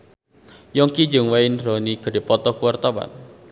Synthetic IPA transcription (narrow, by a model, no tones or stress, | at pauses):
jɔŋkid͡ʒəŋwaɪnrɔniɡ̥ə̤di̤pɔt̪ɔkuwart̪ɔwa̰n